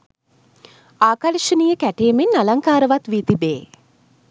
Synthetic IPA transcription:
aːkaliʃənijəkæʈeːmenːalaŋkaːɾəʋat̪ʋiːt̪ibeː

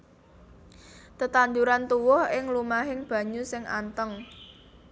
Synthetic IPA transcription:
t̪ət̪and̪uɾant̪uwʊhɪŋlumaɦɪŋb̥ä̤ɲusɪŋʔa̰nt̪əŋ

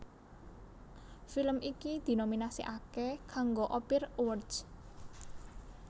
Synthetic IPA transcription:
filəmʔikid̪̥i̤nominasḭʔakekaŋɡoʔɔpɪrwərds

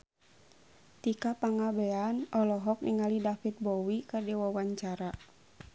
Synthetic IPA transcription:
t̪ikapaŋabɛanɔlɔɦɔk̚niŋalidafit̪̚bɔwikɨrdiwawaɲt͡ʃaɾa

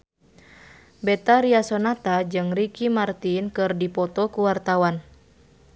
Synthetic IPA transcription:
bɛt̪aɾiasɔnat̪ad͡ʒɨŋrikimart̪inkɨrdipɔt̪ɔkuwart̪awan

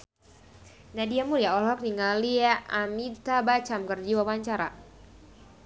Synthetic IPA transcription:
nadiamuliaɔlɔk̚niŋaliaʔamit̪abat͡ʃamkərd͡ʒiwawaɲt͡ʃaɾa̰

